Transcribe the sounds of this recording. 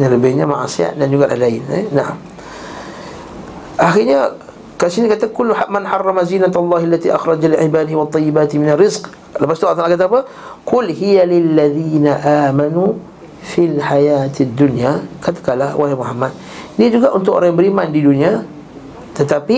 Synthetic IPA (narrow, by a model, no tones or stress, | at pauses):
ɲaləbɪhɲama̰ʕa̰sia̰ʔ̪̚dand͡ʒuɡaʔa̰hlaɪnɛ̰naʕa̰m | ʔaxiɲa | kasinikat̪akʊlːamanħɑrˤːɑmazinat̪alˤːɑːhalːat̪iʔaxɾˤɑd͡ʒaliʕibaːdɪhwat̪ˤːɑjːibaːt̪mɪnarɪzq | ləpast̪uat̪alakat̪apə | kʊlhijalɪlːaðiːnaʔaːmanu | filħajaːt̪d̪ːunjakat̪ḁkalahwahimuɦamːat̪̚ | diəd͡ʒuɡaʔunt̪ʊko̰ɾaŋjaŋbəɾimandidunia | t̪ət̪api